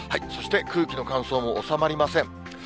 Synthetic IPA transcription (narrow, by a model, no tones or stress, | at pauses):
haiso̞ɕi̥t̪e̞kɯ̟ːkʲino̞kãso̞ːmo̞ːsamaɾʲimasẽ̞ɴ